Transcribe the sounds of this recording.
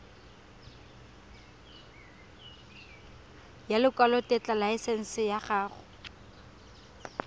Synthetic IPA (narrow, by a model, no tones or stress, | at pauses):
jalɪkʼwalɔtʼɛt͡ɬʼalaɪsen̩sɪjaχaːχʊ